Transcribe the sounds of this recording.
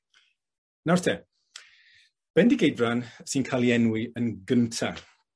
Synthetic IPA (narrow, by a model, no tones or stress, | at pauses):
nawrtʰɛ | b̥ɛndiɡejdbransiːnkʰalˠjɛnwɪənɡəntʰa